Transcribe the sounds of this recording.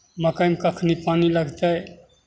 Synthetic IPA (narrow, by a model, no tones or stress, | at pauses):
mɐkɐjmkɐkʰnipaːnilɐɡt̪ae